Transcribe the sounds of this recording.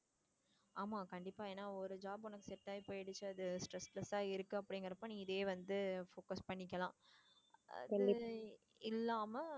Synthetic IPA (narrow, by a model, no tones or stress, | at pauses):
aːmaːkɐɳɖɪpːaːeːnːaːɔɾɯd͡ʒaːbɔnɐkːɯsɛʈ̪ːaːɪpːoːɛɽɯt͡ʃːɯɐðɯsʈɾɛsplɐsaːɪɾɯkːɯɐpːɐɽɪŋɡɐɾɐpːõːnĩːɪðeːʋɐnd̪ɯfoːkɐspɐɳːɪk̬ːɐlãː | ɐ̰kɐɪ | ɪlːaːmɐ